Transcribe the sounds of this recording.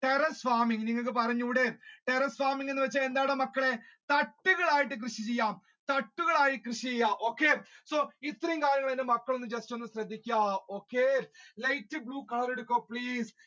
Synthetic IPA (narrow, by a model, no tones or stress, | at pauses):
ʈerɐsʋaːmiŋniŋːɐɭk̬ɨpɐrɐɲːuːɽeʈerɐsʋaːmiŋːɡenːɨʋɐt͡ɕːaend̪aːɽemɐkːɐɭe̞t̪ɐʈːuɣɐɭaːjiʈ̬ːɨk̬rɨɕit͡ɕejːaːm | t̪ɐʈːuɣɐɭaːjikrɨʂit͡ɕejːaːʔo̞ːkːeːso̞ːit̪ːrɐjumkaːɾjɐŋːɐɭenːemɐkːɐɭo̞nːɨd͡ʑestonːɨɕɾɐd̪ʱːikʲːaːo̞ːkːelɐjtːɨbɭuːkɐɭɐɾeɽukːoːpɭiːs